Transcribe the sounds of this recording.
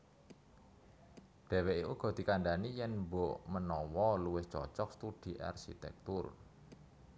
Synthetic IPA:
ɖ̥ɛ̤weʔikuɡ̥ɔ̤d̪̥i̤kaɳɖanijɛnmboʔmənɔwɔluwɪht͡ʃɔ̰t͡ʃɔk̚st̪ud̪̥i̤ʔa̰rʃḭt̪ɛ̰k̚t̪ʊr

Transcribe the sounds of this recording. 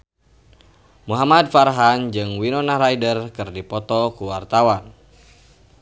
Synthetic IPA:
muɦamadfarɦand͡ʒɨŋwinɔnaɾajdərkɨrdipɔt̪ɔkuwart̪awan

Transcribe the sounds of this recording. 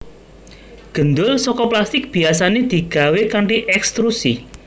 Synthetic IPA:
ɡ̥ə̤nd̪ʊlsɔkɔplast̪ɪk̚b̥i̤asaned̪̥i̤ɡ̥a̤wekaɳʈiʔɛkst̪ɾusi

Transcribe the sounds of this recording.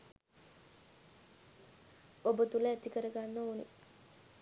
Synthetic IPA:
obət̪uləæt̪ikəɾəɡanːəunḭ

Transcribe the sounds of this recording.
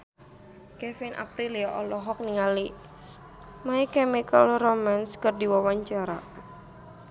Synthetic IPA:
kɛfinʔa̰pɾiliɔʔɔlɔɦɔk̚niŋali | maikɛmikə̰lromanskərdiwawaɲt͡ʃaɾa

